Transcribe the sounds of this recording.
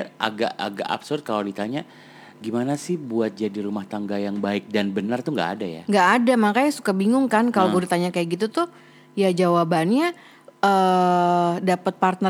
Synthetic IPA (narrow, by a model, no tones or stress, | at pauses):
a̰ɡaʔa̰ɡa̰ka̰psʊrt̪̚kalalit̪aɲa | ɡimanasɪhbuat̪̚d͡ʒadiɾumaht̪aŋɡajaŋbaɪk̚danbənart̪uŋɡa̰a̰daja̰ŋɡaːdamakajasukabiŋʊŋkankaloɡulit̪aɲakajaʔɡit̪ut̪ʊ | jad͡ʒawabanɲa | ə | dapət̪̚part̪nə